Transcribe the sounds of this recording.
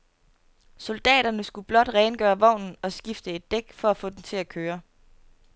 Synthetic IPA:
sold̥ɛ̰ːɾ̥ɐnəsɡ̥ub̥lɒ̽d̥ʁɛːnɡ̥ɶːɐʋɒ̰ʊ̰nn̩ɒ̽sɡ̥ifd̥əe̝d̥ːeɡ̥fɒ̽æfɔ̰ːd̥ent͡sʰe̝lækʰøːɐ

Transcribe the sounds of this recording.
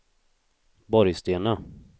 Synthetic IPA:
bɔɾjst̪eːna

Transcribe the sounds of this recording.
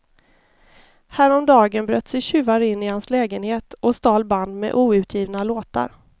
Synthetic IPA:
hæːɾɔmd̪ɑːɡənbɾøːt̪ːsɛjɕʉ̟ːvaɾɪnːɪhanslɛːɡənheːt̪ɔst̪ɑːlband̪mɛ̰ʔuːʉ̟ːt̪ʰjiːvnaloːt̪a̰ɾ

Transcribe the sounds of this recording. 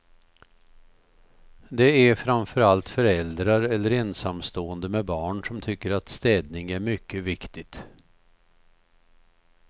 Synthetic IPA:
d̪ɛæɾfɾamfœɾalt̪fœɾɛld̪ɾaɾɛlːəɾɛnsamst̪oːənd̪əmɛbɑːɳsɔmt̪ʰʏkːəɾat̪st̪ɛːd̪nɪŋæɾmʏkːəvɪkt̪ɪt̪

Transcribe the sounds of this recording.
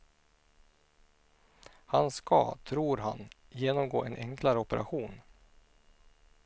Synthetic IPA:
hanskʰa̰t̪ʰɾuːɾɦa̰n | jeːnɔmɡoːʔɛnʔɛŋklaɾəɔpɛɾʔa̰ɧuːn

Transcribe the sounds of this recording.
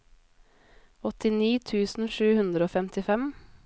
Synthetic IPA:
ɔt̪ɪniːt̪ʰʉːsn̩ʃʉːhʉnd̪ɾəoːfɛmt̪ɪfɛm

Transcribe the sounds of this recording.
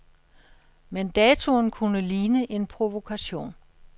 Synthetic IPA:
mend̥ɛːt͡sʰo̝nkʰunəliːnəʔe̝npʰʁo̝ʋo̝kʰæɕo̝̰ːn

